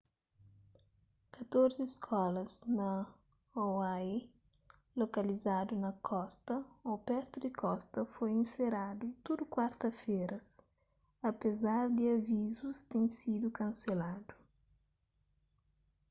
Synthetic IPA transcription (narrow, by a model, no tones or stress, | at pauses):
kɐt̪oɾzɪːskʰɔlɐznɐ | ɔwa | lokɐlizad̪unɐkʰɔst̪ɐɔbɛɾt̪ud̪ɪkʰɔst̪ɐfojĩnseɾad̪ut̪od̪ukwaɾt̪ɐfeɾɐs | ɐpezaɾd̪ɪɐvizust̪ẽŋ̃sid̪ukɐ̃nselad̪u